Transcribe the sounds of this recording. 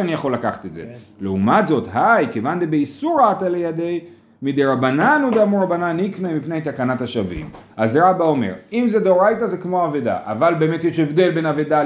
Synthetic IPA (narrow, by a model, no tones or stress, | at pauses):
anijaχo̞lːakaχḁt̪etzḛleumatzo̞tɦajkevand̪ebeisuʁatalejad̪e̞j | mid̪eʁabananud̪amuʁabananiknamipnejt̪akanathaʃavḭmazʁabao̞me̞̰ʁimzed̪oʁajtazekmoaveda̰ʔavalbe̞ːmet̪jeʃevd̪e̞lbe̞naveda